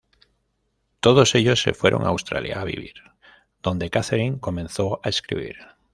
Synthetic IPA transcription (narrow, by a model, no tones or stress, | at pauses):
t̪oð̞oseʎosːefweɾʔõ̰ŋaawst̪ɾa̰lja̰ːβḭβḭɾ | d̪̥ond̪ekaθeɾiŋkomẽnθoaeskɾḭβ̞ḭɾ